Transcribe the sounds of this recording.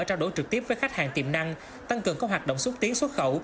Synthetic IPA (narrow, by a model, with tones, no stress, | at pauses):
ə˧˩t͡ɕaː˧wɗo̰˧˩jt͡ɕɨ˨˩k̚t̪i˦˥əp̚vəː˨˦jxa˦˥k̟̚ha̰ː˧˨ŋt̪ḭ˧˩mna˧ŋ | t̪a˧ŋkɨ˨˩əŋkɔ˧wɦaː˨˩t̚ɗə̰˧˨wŋ͡mswə˦˥t̚t̪i˨˦ənswə˦˥t̚xə˧˩w